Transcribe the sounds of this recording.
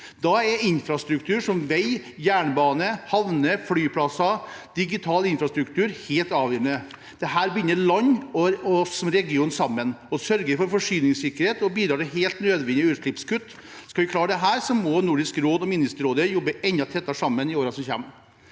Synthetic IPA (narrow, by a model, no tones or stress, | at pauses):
d̪ɑɛɪnfɾɑst̪ɾʉkt̪ʰʉːɾʂɔmʋæɪ | jæːɳbɑːnəhɑʋnəflyːpʰlɑsɑd̪̥ɪɡɪt̪ʰɑːlɪnfɾɑst̪ɾʉkt̪ʰʉːɾheːlt̪ɑːʋjœːɾɳə | d̪̥ɛɦæːɾbʏnːəɭɑɲːɔɔsɔmɾɛɡɪuːnsɑmːənɔsœɾɡəɾfɔɾfɔʂyːnɪŋsɪkːəɾheːt̪ɔbiːd̪ɾɑːɖɛɦeːlt̪nøːd̪ʋɛnɪʉːʂɭɪpskʉt̪ː | skɑʋɪkʰlɑːɖɛɦæːɾsɔmɔnʊɖɪskɾoːd̪ɔmɪnɪst̪əɾoːd̪əjɔbːəʔɛnd̪ɑt̪ʰɛt̪ːɑʂɑmːənɪoːɾɑsɔmçɛ̰m